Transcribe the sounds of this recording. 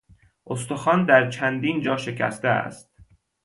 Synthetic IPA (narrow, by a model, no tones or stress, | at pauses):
ʔost̪oxɒːnd̪æɾt͡ʃʰænd̪iːnd͡ʒɒːʃe̞cʰæ̰st̪eæ̰st̪̚